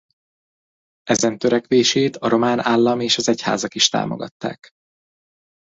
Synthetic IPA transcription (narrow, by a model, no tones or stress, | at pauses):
ɛzɛnt̪øɾɛkʋeːʃeːt̪ɒɾo̞maːnaːlːɒmeːʃɒzɛcha̰ːzɒkiʃt̪a̰ːmo̰ɡɒ̰t̪ːa̰ːk